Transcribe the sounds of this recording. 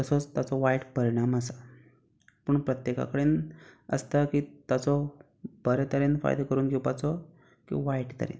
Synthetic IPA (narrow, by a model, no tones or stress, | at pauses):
t̪əsɔt͡st̪at͡sɔʋajʈpəɾiɽ̃aməsa | pəːɳpɾət̪jeka̰kəɽeːnə̰st̪akiːt̪at͡sɔ | bəɾɛt̪əɾenfa̰jd̪ekəɾuːnɡewpat͡sɔ | kḭʋajʈt̪ə̰ɾḛn